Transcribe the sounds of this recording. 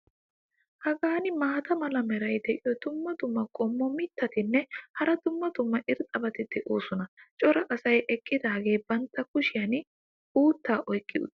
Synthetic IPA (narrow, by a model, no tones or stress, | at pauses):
hɐɡaːnɪmaːt̪ɐmɐlɐmɛɾɐjd̪ɛʔɪjɔd̪̥ʊmːɐd̪ʊmːɐkʼɔmːɔmɪt̪ːɐt̪ɪnːɛhɐɾɐd̪ʊmːɐd̪ʊmːɐʔɪɾt̪ʼɐbɐt̪ɪd̪ɛʔoːsʊnɐt͡ʃʼɔɾɐʔɐsɐjʔɛkʼːɪd̪aːɡe̞ːbɐnt̪ːɐkʊʃɪjɐn | uːt̪ːaːʔɔjkʼːɪʊ̰t̪ː